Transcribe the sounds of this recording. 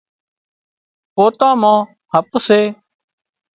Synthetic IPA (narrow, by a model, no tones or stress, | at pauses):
poːt̪ãːmãː | həpseː